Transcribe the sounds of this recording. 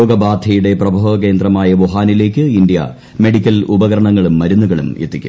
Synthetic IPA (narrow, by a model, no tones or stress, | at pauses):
oːɡɐbaːd̪ʱɐjuɽe̞prɐbʱɐːʋɐke̞ːnd̪rɐmaːjɐʋoɦaːnile̞ːkʲːɨind̪jɐ̰ | me̞ɽikʲːɐlubɐɣɐɾɐɳɐŋːɐɭumːɐɾunːuɣɐɭumet̪ːikʲːṵ